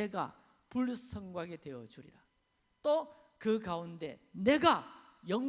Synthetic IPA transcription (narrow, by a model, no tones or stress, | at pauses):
eɡa̰ | puɭsʰʌŋɡwaɡetwe̞ʌd͡ʑuɾḭɾa | t͈o | kɯkaunde̞̰ne̞ɡa | jʌŋ